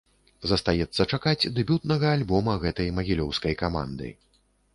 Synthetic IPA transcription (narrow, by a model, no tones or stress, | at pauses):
zɐst̪ajɛt̪sːɐt͡ʂakad͡zʲd̪ɛbʲut̪nɐɣɐːlʲbɔmɐɣɛt̪ɐjmɐɣʲilʲɔwskɐjkama̰nd̪ɨ̰